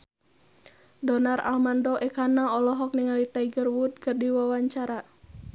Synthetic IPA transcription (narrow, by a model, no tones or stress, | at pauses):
dɔnara̰lmandɔʔɛkanaɔlɔɦɔk̚niŋalit̪aiɡərwud̪̚kɨrdiwawaɲt͡ʃaɾa